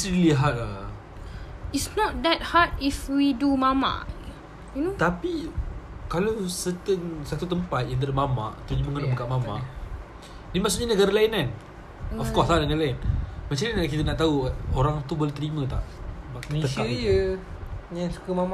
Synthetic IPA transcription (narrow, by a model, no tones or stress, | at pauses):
isɾiliɦat̪̚a | isnɔt̪̚d̪ɛt̚hatifwidumama̰ | junot̪api | kalawsət̪əŋsat̪ut̪əmpat̪̚jint̪ədəmama̰ʔt̪əuɲaməŋənabəkaʔmama̰ | dimaʔsuʔɲanəɡaɾalainan | ɔfkɔslanəɡaɾalaɪnmat͡ʃalɲankit̪ənaʔt̪auoɾaŋt̪ubolat̪əɾimə̃t̪a̰ʔat̪əʃkajə | ɲãsu̥kəmama